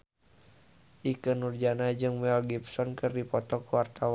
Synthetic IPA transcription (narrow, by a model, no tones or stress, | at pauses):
ʔikɨnurd͡ʒanad͡ʒɨŋwɛlɡipsɔnkɨrdipɔt̪ɔkuwart̪aw